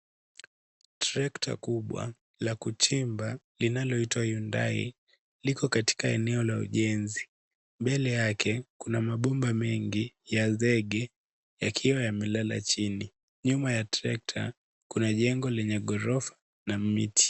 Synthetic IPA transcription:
tɾɛktʰa̰kuɓwa̰ | lakut͡ʃimba | linalɔitwahiunda̰ḭ | likɔkati̥kaɛnɛɔlaṵʄɛnzi | mbɛlɛjakʰɛkunamaɓɔmbamɛŋɡijazɛɠɛ | jakʰiwajamɛlala̰t͡ʃini | ɲumajatɾɛk̚tʰa̰ | kunaʄɛŋɡɔlɛɲɛɠɔɾɔfḁ | namḭtʰi̥

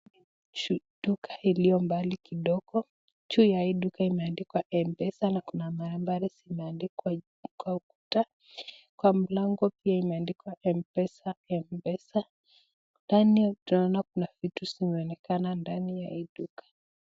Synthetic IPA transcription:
t͡ʃu | ɗukʰḁilijɔmbalikiɗɔɡɔ | t͡ʃujaiɗukaimɛandikwaʔɛmbɛsanakunamaɾɛmbaɾisimɛandikwa | kwauku̥ta | kwam̩laŋɡɔpiaimɛandikwaʔɛmpɛsaɛmbɛsa | ndanitunaɔnakunavitusimɛɔnɛkanandanijaiɗukḁ

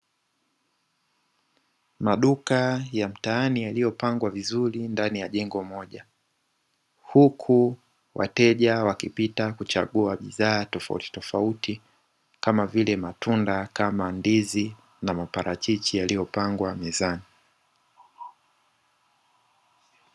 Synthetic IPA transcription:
maɗukajam̩taːnijalijɔpaŋɡwavizuɾindanijaʄɛŋɡɔmɔʄa | hukʰu | wʔa̰tɛʄawakipitakut͡ʃa̰ɠuaɓḭðaːtɔfa̰ṵti̥tɔfauti | kamavilɛmatundakamandizi | namapaɾʔat͡ʃit͡ʃijalijɔpaŋɡwamɛzani

